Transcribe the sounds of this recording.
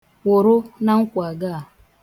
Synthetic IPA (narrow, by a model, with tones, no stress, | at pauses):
wʊ˨ɾʊ˦na˦ŋ̩˦kʷa˨ɡa˦a˨